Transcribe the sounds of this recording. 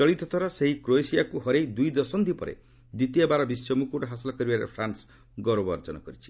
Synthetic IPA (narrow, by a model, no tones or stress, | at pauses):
t͡ʃɔɭit̪ɔt̪ʰɔɾɔseɦikɾoesijakuɦɔɾejd̪ujd̪ɔsɔnd̪ʱipɔɾḛ | d̪it̪ijabaɾɔbisjɔmukuɾɔɦasilɔkɔɾibaɾḛpʰɾans | ɡɔɾobɔɾd͡ʒɔnɔkɔɾit͡ʃʰi̥